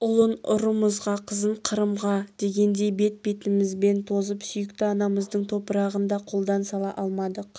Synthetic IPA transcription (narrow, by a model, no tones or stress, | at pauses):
ʊlˠənʊ̰ɾəməzʁɑqʰəzənqʰəɾəmʁɑd̪̥e̞ɡʲe̞nd̪e̞jbe̞t̪̚be̞t̪ɪmɪzbe̞nt̪ʰo̞zəpsʏjɪkt̪ɪɑnɑməzd̪əɴt̪ʰo̞pəɾɑʁənd̪ɑqʰo̞lˠd̪ɑnsɑlˠɑʔɑlˠmɑd̪əq